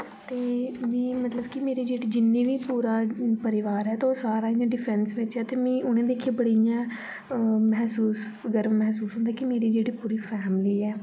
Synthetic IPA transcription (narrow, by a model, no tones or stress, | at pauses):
t̪eːʋĩːmət̪ləbkɪmeːɾiːd͡ʒeːɽiːd͡ʒɪnːẽːʋiːpuːɾaːpəɾɪʋaːɾɛːt̪aoːsaːɾaːɪ̃nãːɖɪpʰɛnsʋɪt͡ʃɦɛːt̪eːmĩːʔʊñẽːd̪eːkʰeːbəɽijãː | mɛːsuːs | ɡəɾəmːɛɦsuːsɦʊ̃ːnd̪aːkɪmeːɾiːd͡ʒeːɽiːpuːɾiːpʰɛːmliːɛː